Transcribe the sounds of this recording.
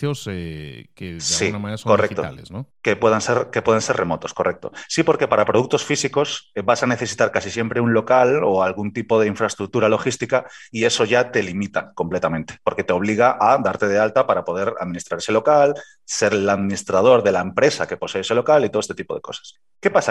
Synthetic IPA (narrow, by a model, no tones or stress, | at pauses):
osekesslɣiunamaneɾasokoret̪oa̰lesnokepweðanseɾke̞pwe̞ð̞ense̞ɾrʔe̞mo̞t̪o̞sko̞rʔe̞k̚t̪o̞̰sipo̞ɾke̞paɾapɾoð̞uk̚t̪o̞sfisiko̞sbasane̞θe̞sit̪aɾkasisje̞mpɾe̞unlo̞kalo̞alɣ̞unt̪ipo̞ð̞e̞iɱfɾaest̪ɾuk̚t̪uɾalo̞xist̪ika | ie̞so̞ʝat̪e̞limit̪ako̞mple̞t̪amẽ̞nt̪e̞̥po̞ɾke̞t̪e̞o̞β̞liɣ̞aʔad̪aɾt̪e̞ð̞e̞alt̪apaɾapo̞ð̞e̞ɾa̰ðmĩnist̪ɾaɾeselokal | se̞ɾlaðmĩnist̪ɾað̞o̞ɾðe̞laempɾe̞sake̞po̞se̞ːse̞lo̞kalit̪oest̪et̪ipo̞ð̞e̞̰ko̞sḁs | ke̞pasa